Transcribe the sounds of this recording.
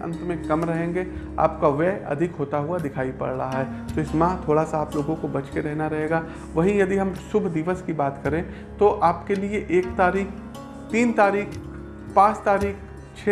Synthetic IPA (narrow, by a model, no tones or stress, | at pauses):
ɐ̰̃nt̪mẽkɐmɾɐɦẽːŋɡe | a̰ːpkaʋɛːɐ̰d̪ʱɪkɦoːt̪aɦʊad̪ɪkʰaːipɐ̰ɽɽaaɦɛːt̪oɪsmãːɦt̪ʰoːɽasaːploːɡõkobɐt͡ʃkeɾɛɦnaɾɐɦeːɡaː | ʋɐɦĩjɐd̪iɦɐ̃msʊbʱd̪iʋəskibaːt̪kɐɾẽ | t̪oʔaːpkelieʔeːkt̪aːɾiːkʰ | t̪iːnt̪aːɾiːkʰ | pãːt͡ʃt̪aːɾiːkʰ | t͡ʃʰe